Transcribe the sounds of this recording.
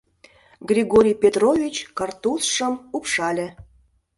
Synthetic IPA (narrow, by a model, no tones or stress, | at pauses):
ɡrʲiɣoɾʲijpʲet̪rovʲit͡ɕkɑrt̪usʃəmupʃɑlʲĕ